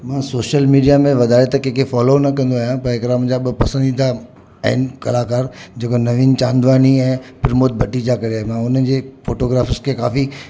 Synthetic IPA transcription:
mãsoːʃəlmiːɖijamẽʋɐd̪ʱaːjet̪ɐkẽːkʰefɔːlonɐkɐ̃nd̪oaːjãpɐɾɪkɾaːmd͡ʑaɓʊpɐsə̃nd̪ĩːna | a̰ɦɪnɪ̆kɐlaːkaːɾd͡ʑeːkonɐʋiːnt͡ɕãːnd̪ʋaːɦniɛ̃ːpɪɾmoːt̪̚bʱɐʈid͡ʑakɐɾeaːɦemãʊn̤ən̆d͡ʑeːfoːʈoːɡɾaːfəskʰekaːfi

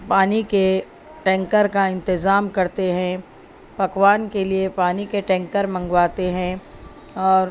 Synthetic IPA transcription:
paːnike | ʈɛ̃ːŋkəɾkaɪ̃nt̪ɪzaːmkɐɾt̪eɦɛ̃ | bɐkʋaːnkeliepaːnikeʈɛ̃ːŋkəɾmɐ̃ŋɡʋaːt̪eɦɛ̃ | ɔːɾ

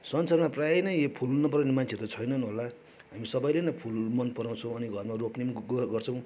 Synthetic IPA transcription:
sʌnsʌrmaprajenʌjepʰulnʌpʌɾaw̃nemant͡sʰet̪ʌt͡sʰʌjnʌnɦola | ɦamisʌbʌjlenʌpʰulmʌnpʌɾaw̃t͡sʰʌw̃ʌniɡʱʌrmaroknimɡʌrt͡sʰʌ̃w̃

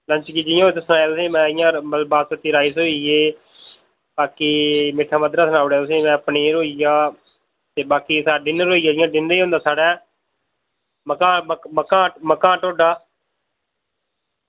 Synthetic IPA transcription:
lə̃ɲt͡ʃɡiːd͡ʒɪjãːt̪eːsnaːjːt̪ʊsĩːmɛ̃ːɪjãːəlbaːət̪iːɾaːiːsoːieː | baːkiːmɪʈʰːaːməd̪ɾaːsənaːʊɽeaːt̪ʊsĩːmɛ̃ːəpneːɾoːijaː | t̪eːbaːkiːsaːɖɪnɾoːiːaːd͡ʒɪjãːɖɪnɾiːɦõːnd̪aːsaːɽaː | məkãːməməkãːməkãːʈoːɖaː

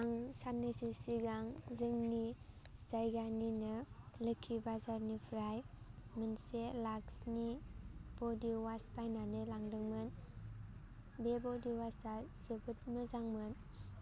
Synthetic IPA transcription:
aŋsanɯsisiɡaŋzɯŋni | z̥ajɡaninɯlɯkʰːibazaɾnipʰɾaj | mɯnselaksnib̥ɔdiwaspajnanɯlaŋdɯŋmɯn | bebɔdiwasasebɯt̚mɯzaŋmɯn

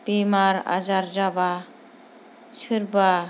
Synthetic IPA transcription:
b̥imaɾa̰d͡ʒaɾd͡ʒaba | t͡ʃʰɯɾba

